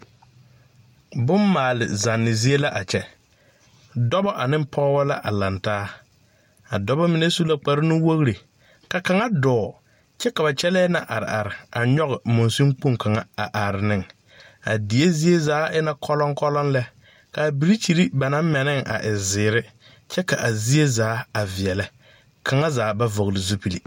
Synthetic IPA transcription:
bʊ˦mːaː˨lɪ̰˨za˨nːɪ˨zi˦e˦la˦ʔa˨t͡ʃɛ˦ | dɔ˦bɔ˦ʔa˨nɪ̃˦m˦pʰɔ˦wɔ˦la˦ʔa˨la˨ntaː˦ | a̰˨dɔ˦bɔ˦mɪ˨ne˦su˦la˦k͡pa˨ɾɪ˦nʊ˦wo˦ɣɾi˨ | ka˨ka˨ŋa˦dɔː˨ | t͡ʃɛ˦ka˨ba˨t͡ʃɛ˦lɛː˦na˨ʔa˨ɾɪ̰˨ʔa˨ɾɪ˨a˨ɲɔ˦ɣɪ˨mʊ˨nsu˦ŋk͡po˦˨ŋka˨ŋa˦a˨ʔa˨ɾɪ˨nɪ˦ŋ | a̰˨di˨je˦zi˦e˦zaː˨˦ʔɪ˦na˦kʰɔ˦lɔ˦ŋkɔ˦lɔ˦nlɛ˦ | ka˨bi˨ɾi˦t͡ʃi˨ɾi˦ba˨nã˦m˦mɛ˨nɪ˦ŋa̰˨ʔɪ˨zɪː˨ɾɪ˦ | t͡ʃɛ˦ka˨ʔa˨zi˦e˦zaː˨˦a˨vɪ˨ɛ˨lɪ˦ | kʰa˨ŋa˦zaː˨˦ba˦vo˨ɣlɪ˨zu˦pi˨li˨

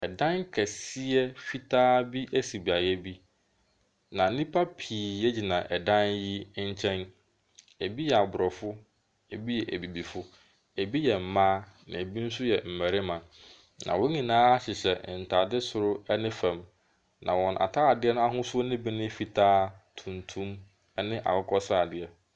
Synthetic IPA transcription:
ɛ˨dã˦ŋkʰɛ˨sɪ˦ɛ˦fi˦tʰaː˦bi˦ʔæ˦si˨bi˨a˨jɛ˦bi˦ | nã˨nĩ˦pʰa˦pʰiː˨ɛ˦d͡ʑi˨nã˨ʔɛ˨dã˦nji˦ɲ̩˦t͡ɕʰɛ̃˦n | æ˨bi˦jɛ˨a˨bʊ˨ɾɔ˨fʊ˦ | e˨bi˦jɛ˨ʔæ˨bi˨bi˨fʊ˦ | æ˨bi˦jɛ˨m̩˨mãː˦nã̰˨e˨bi˦n̩˦sʊ˦jɛ˨m̩˨mæ˨ɾɪ˦mã˨ | nã̰˨wɔ̃˦ɲĩ˨nãː˦a˦ɕɪ˨ɕɛ˨n̩˨tʰa˨dɪ˦sʊ˨ɾʊ˦ɛ˦nɪ̃˦fæ̃˨m | nã̰˨wɔ̃˨nʔa̰˨tʰa˦a˨dɪ˦ɛ˦nʊ̃˦a˦ɦʊ̃˦sʊ˦ɔ˦nɪ̃˦bi˦nɪ̃˦fi˨tʰaː˦tʰũ˨n˨tʰũ˦m | ɛ˦nɪ̃˦ʔa̰˨wʊ˦kʰɔ˦sa˦˨dɪ˨ɛ˨

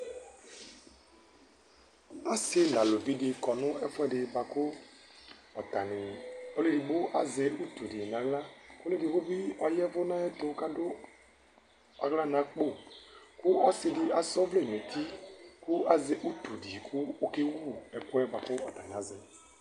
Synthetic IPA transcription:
a˦sɪ˦la˨lo˨vi˦dɪ˨kɔ˨nʊ̃˦ɛ˦fʊ˦ɛ˦dɪ˨ba˨kʊ˦ | ɔ˨t̪a˨nɪ˨o˦le˦di˨bo˦ʔa˨ze˨u˦t̪u˨di˨n˨ã˨˦ɣla˦ko˦le˦di˨xo˦bi˦ɔ˨jɛ˦vʊ˦nã˦ɛ˦t̪o˨˦ka˦dʊ˦ | a˨ɣla˦nã˨˦k͡po˦˨kʊ˦ɔ˦sɪ˨dɪ˨ʔa˨sɔ˦vle˦˨n˨ẽ˨t̪i˦kʊ˦a˦ze˨ʔu˦t̪u˨di˨kʰʊ˦o˦ke˦wu˦˨ɛ˨kʊ˦ɛ˦ba˨kʊ˦ɔ˨t̪a˨nɪ̃˨a˨˦zɪ˨

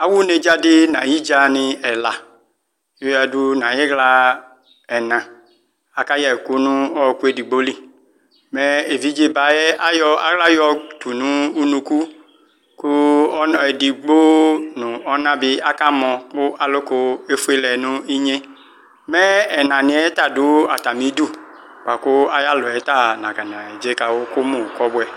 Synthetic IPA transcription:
a˨wʊ˦ne˨d͡ʒa˦dɪ˦nã˨ji˦d͡ʒa˨nɪ̃˨ɛ˨la˨ | jo˦ja˨du˦nã˨jɛ˦ɣla˨ | ɛ˨nã˨ | a˨ka˦ja˨ku˦nʊ̃˦ɔ˦˨ku˦e˨di˨ɡ͡bo˦li˦ | mɛ˦e˨vi˦d͡ʒe˦ba˨jɛ˦a˦jɔ˦a̰˨ɣla˦jɔ˦tu˨nũ˦u˦nũ˨ku˦ | kʊ˦ɔ˦˨ɛ˨di˨ɡ͡bo˦nʊ̃˨ɔ˦nã˦bɪ˦a˦ka˦mɔ̃˨kʊ˦ʔa˨lʊ˦kʊ˦e˦fu˦e˦lɛ˨nʊ̃˦i˦ɲe˦ | mɛ˦ɛ˨nã˨nɪ̃˨˦ɛ˦ta˦˨dʊ˨˦a˨ta˨mĩ˨˦du˦˨ | k͡pa˨kʊ˦a˦ja˦lʊ˨ɛ˨˦ta˦˨nã˨ka˨nã˨ɛ˨d͡ʒe˦ka˨wo˦kʊ˦mõ˦˨kɔ˦bʊ˦ɛ˨

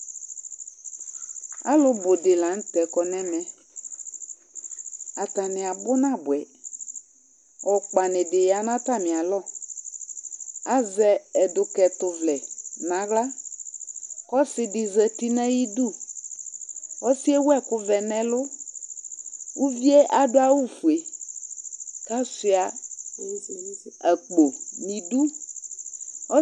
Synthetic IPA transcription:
a̰˦lʊ˨bʊ˨dɪ˨la˨˦ŋ̩˦tɛ˨kɔ˨nɛ̃˦mɛ̃˦ | a˨ta˨nɪ˨a˨bʊ˦nã˦bʊ˨ɛ˨ | ɔ˨k͡pa˨nɪ̃˨dɪ˨ja˨nã˦ta˦˨mɪ̃˨a˨lɔ˦˨ | a˦zɛ˨ɛ˨dʊ˨kɛ˨tʊ˨vlɛ˨nã˨˦ɣla˦ | kɔ˦sɪ˨dɪ˨zɛ˨t̪i˦nã˦ji˦du˦˨ | ɔ˦si˦e˦wʊ˦ɛ˦kʊ˦vɛ˨nɛ˦lʊ˦ | wu˦vi˦e˦ʔa˦dʊ˦a˨wu˦fu˨e˨ | ka˦sɪ˨a˨ | a˨k͡po˨nĩ˨du˦ | ɔ˦

